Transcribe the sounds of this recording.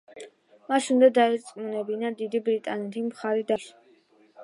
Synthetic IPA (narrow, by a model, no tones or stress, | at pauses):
maʃund̪ad̪aɛɾt̪sʼmunɛbinad̪id̪ibɾit̪ʼanɛt̪ʰimχaɾid̪aʃ